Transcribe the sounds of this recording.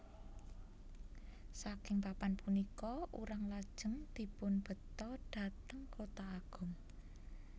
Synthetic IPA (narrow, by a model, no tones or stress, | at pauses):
sakɪŋpapanpunikɔʔṵɾaŋlad̥ʒ̥ə̤ŋd̪̥i̤pʊnb̥ə̤t̪ɔɖ̥ä̤t̪əŋkot̪aːɡ̥ʊ̤m